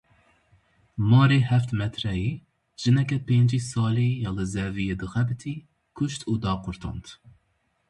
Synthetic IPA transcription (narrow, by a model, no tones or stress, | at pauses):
mɑːɾeːhɛft̪mɛt̪ʰɾɛji | ʒ̥ɨnɛkʲɛpend͡ʒiːsɑːlijɑlɨzɛvijed̪ɨxɛbɨt̪ʰi | kʰʊʃt̪ʰuːd̪ɑːqʊɾt̪ʰɑ̰nt̪